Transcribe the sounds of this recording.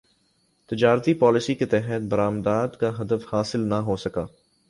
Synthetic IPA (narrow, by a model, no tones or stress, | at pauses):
t̪ɪd͡ʒaːɾt̪ipɔːlɪsiket̪ɛɦət̪̚bɐɾaːmd̪aːd̪kaɦɐd̪əfhaːsɪlnɐɦosɐkaː